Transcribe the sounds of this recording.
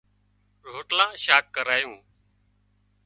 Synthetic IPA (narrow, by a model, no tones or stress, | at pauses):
ɾoːʈlãːʃaːk̚ːəɾaːjũː